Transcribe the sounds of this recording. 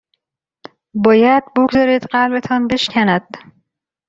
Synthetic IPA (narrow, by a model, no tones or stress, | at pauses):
bɒːjæd̪̥̚boɡzɒːɾiːd̪̥ɢælbe̞t̪ʰɒːnbe̞ʃcʰænæd̪̥